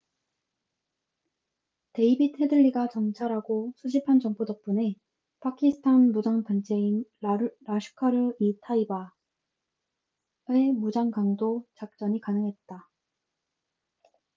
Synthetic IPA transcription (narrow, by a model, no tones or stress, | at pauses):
te̞ibit̚ʰhe̞dɯʎːiɡat͡ɕʌŋt͡ɕʰaɾaɡosʰud͡ʑipʰand͡ʑʌŋp͈odʌk̚p͈une̞ | pʰakʰisʰɯ̥tʰanmud͡ʑaŋpʌnt͡ɕʰe̞inɾaɕʰɯ̥kʰaɾɯitʰaiba | e̞mud͡ʑaŋkaŋdot͡ɕak̚t͡ɕ͈ʌɲikanɯŋɦe̞t̚t͈a